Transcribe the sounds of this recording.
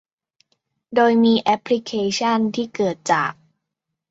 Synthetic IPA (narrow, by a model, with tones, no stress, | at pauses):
doː˧jmiː˧ʔɛ˦˥pʰːli˦˥kʰeː˧t͡ɕʰa˥˩nt̪ʰiː˥˩kɤː˨˩t̪̚t͡ɕa̰ː˨˩k̚